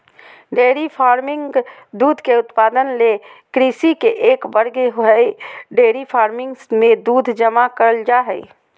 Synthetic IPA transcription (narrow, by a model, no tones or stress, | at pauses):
ɖeːɾipʰaːɾmɪ̃ŋd̪uːd̪ʱkeʊt̪paːd̪ənlekɾiːsikeʔeːkbəɾɡeɦʊɛiɖeːɾipʰaːɾmɪ̃ŋɡsmẽd̪uːd̪ʱd͡ʒəmakəɾəld͡ʒaːɦɛ